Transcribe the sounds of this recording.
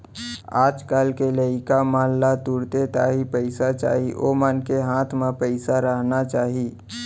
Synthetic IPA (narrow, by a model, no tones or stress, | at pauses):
aːd͡ʒkaːlkeləɪkamaːlːat̪uɾt̪et̪aːɦipəɪsat͡ʃa̰ːɦiʔo̰mənkeɦãːt̪ʰmẽpəɪsaɾəɦnat͡ʃaːɦiː